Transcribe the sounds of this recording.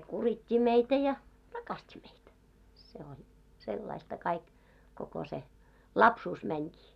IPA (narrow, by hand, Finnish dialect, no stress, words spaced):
kuritʲːi meitæ jɑ rɑkɑstʲi meitæ se on selːɑistɑ kɑik koko se lɑpsuːs mænʲkiː